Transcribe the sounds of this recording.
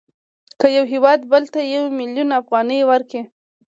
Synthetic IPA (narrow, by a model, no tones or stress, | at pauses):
kəjawɦɪwɑd̪bəlt̪ajawmɪljunafɣɑnəjwəɾke